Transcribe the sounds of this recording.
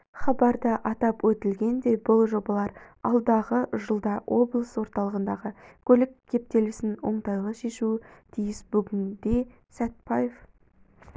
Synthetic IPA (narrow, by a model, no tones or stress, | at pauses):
χɑbɑɾd̪əʔɑt̪ɑpwɵt̪ɪlɡʲe̞nd̪e̞bʊlˠʒo̞bɑlˠɑɾ | ɑ̰lˠd̪ɑʁəʒəlˠd̪ɑwʔo̞blˠəswo̞ɾt̪ɑlˠəʁənd̪ɑʁəkʲʰɵlɪkʲʰːe̞p̚t̪e̞lɪsɪnwo̞ɴt̪ɑjlˠəʃe̞ʃuɪt̪ʰijɪsbʏɡʲɪnd̪e̞ | sæt̪̚pɑjef